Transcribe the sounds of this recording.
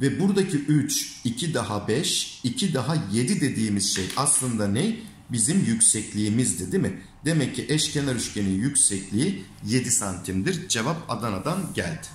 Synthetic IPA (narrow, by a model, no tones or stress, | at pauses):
vɛbuɾd̪acʰiʔyt͡ʃicʰid̪aɦabɛʃicʰid̪aɦaje̞d̪id̪e̞d̪iːmiz̥ʃejaslˠɯnd̪anɛj | bizimjycsɛclʲiːmizd̪ed̪imɪ | d̪e̞mɛcʰːiʔɛʃcʰe̞naɾyʃcʰe̞ninjycʲsɛclʲiije̞d̪isant̪ʰimd̪iɾd͡ʒe̞vapa̰d̪anad̪anɟælʲd̪ɪ̥